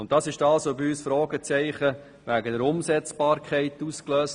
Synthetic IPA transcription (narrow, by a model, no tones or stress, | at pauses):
ʊnt̚d̥ɑːsɪʃdɑlsobiyːsfɾɔːɡət͡sɛɪχə | ʋæɡədəɾʊmsɛt͡sb̥ɑːɾkʰɛɪtuːskløːs